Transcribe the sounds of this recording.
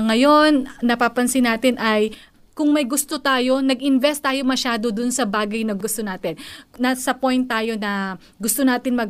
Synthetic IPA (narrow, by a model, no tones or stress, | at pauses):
ŋɐjo̞nːɐpaːpɐnsɪnaːt̪ɪnʔɐj | kʊŋmɐjɡʊst̪ot̪aːjo̞nɐɡʔɪnvɛst̪ːaːjo̞mɐʃaːd̪o̞d̪ʊnsɐbaːɡɐjnɐɡʊst̪onaːt̪ɪnnɐsɐpo̞jnt̪ːaːjo̞nɐ | ɡʊst̪onaːt̪ɪnmɐɡ̚